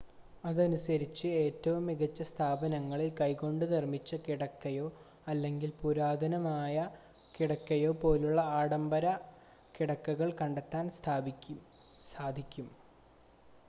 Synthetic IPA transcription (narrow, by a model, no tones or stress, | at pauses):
ɐðɐnusɐɾit͡ɕːɨe̞ːtːɐʋumːiɣʱɐt͡ɕːɐst̪ʰaːbɐnɐŋːɐɭilkɐjko̞ɳɖɨnirmit͡ɕːɐkiɽɐkːɐjo̞ː | ɐlːe̞ŋɡilpuɾaːd̪ʱɐnɐmaːjɐ | kiɽɐkːɐjo̞ːpo̞ːluɭːɐaːɽɐmbɐɾɐ | kiɽɐkːuɣɐɭkɐɳɖet̪ːaːnst̪ʰː | saːd̪ʱikʲːum